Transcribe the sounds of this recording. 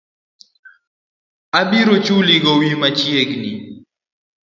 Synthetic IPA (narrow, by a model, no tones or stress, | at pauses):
abiɾɔt͡ʃuliɡɔwimat͡ʃjeɡni